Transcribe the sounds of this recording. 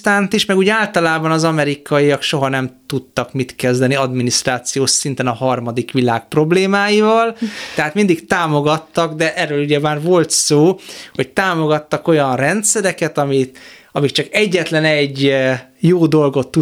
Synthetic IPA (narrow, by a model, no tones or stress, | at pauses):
t̪aːnt̪iʃmɛɡuːɟaːlt̪ɒlaːbɒnɒzɒmɛɾikɒjijɒkʃo̞ɦɒnɛmt̪ut̪ːɒkmit̪kɛzd̪ɛniɒd̪minist̪raːt̪sijoːʃsint̪ɛnɒɦɒrmɒd̪ikʋilaːk̚pro̞bleːmaːjivɒlt̪ɛɦaːt̪mind̪ikt̪aːmo̞ɡɒt̪ːɒɡd̪ɛʔɛrːøːluɟɛmaːrvo̞lt̪soːho̞c̚t̪aːmo̞ɡɒt̪ːɒko̞jɒnrɛnt̪sɛɾɛkɛt̪ɒmiɒmikt͡ʃɒkɛɟːɛt̪lɛnɛɟːjoːd̪o̞lɡo̞t̪ːu